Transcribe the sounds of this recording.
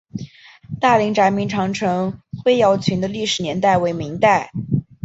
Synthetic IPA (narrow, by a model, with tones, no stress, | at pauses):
t̪a˥˩li˧˥ŋʈ͡ʂa˧˥nmi˧˥ŋʈ͡ʂʰɑ˧˥ŋʈ͡ʂʰɤ˧˥ŋxwe˥ɪjɑ˧˥ʊt͡ɕʰy˧˥nd̪ə˧li˥˩ʂɻ̩˨˩njɛ˧˥nt̪a˥˩ɪwe˧˥ɪmi˧˥ŋt̪a˥˩ɪ